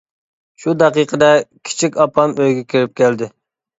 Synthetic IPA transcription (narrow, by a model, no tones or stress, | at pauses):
ʃud̪ɛqiqʰəd̪ɛkʲʰi̥t͡ʃʰikʲɑpʰɑmøjɡʲɛkʲʰiɾɪp̚kʲɛld̪ɪ